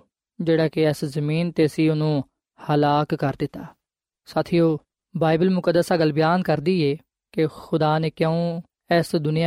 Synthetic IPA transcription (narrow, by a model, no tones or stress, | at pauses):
d͡ʒeːɽaːkɪɛːszəmiːnt̪eːsiːʊnũː | həlaːkːəɾd̪ɪt̪ːaː | saːt̪ʰiːoː | baːɪbəlmʊkəd̪ːəsaːɡəlbɪjaːnkəɾd̪iːeː | kexʰʊd̪aːneːkjə̃ũː | ɛːsd̪ʊnɪja